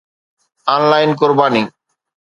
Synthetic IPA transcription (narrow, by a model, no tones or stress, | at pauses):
anlajnk̬oɾbani